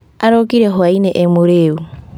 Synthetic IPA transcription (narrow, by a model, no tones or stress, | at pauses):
aɾokiɾexoaineʔemuɾeːβu